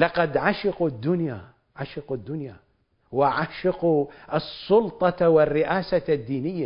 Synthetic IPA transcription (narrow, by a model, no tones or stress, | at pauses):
lɑqɑd̪ʕaʃɪqud̪ːʊnja | ʕaʃɪqud̪ːʊnja | wɪʕaʃɪquʔɑsˤːʊlt̪ˤɑwɪrːɪʔaːsad̪ːiːnɪjːa